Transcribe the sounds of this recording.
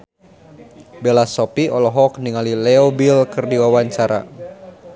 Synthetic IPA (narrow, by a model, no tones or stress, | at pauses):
belasɔpiɔlɔɦɔk̚niŋalilɛobilkɨrdiwawaɲt͡ʃaɾa̰